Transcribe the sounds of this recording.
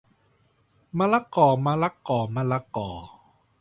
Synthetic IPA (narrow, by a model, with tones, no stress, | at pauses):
ma˧la˦˥kɔː˨˩ma˧la˦˥kɔː˨˩ma˧la˧kɔː˨˩